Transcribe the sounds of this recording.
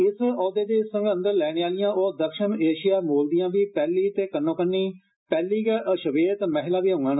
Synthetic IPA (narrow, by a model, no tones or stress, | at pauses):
ɪsɔːd̪eːd̪eːsə̃ŋɡə̃nd̪əɾlɛːɽ̃eːaːlɪjãːʔoːd̪əkʃəneːʃɪjaːmoːld̪ijãːʋiːpɛːliːt̪eːkənːõːkənːiː | pɛːliːkɛʔəʃʋeːt̪məɦɪlaːʋiːɦõŋɡaːn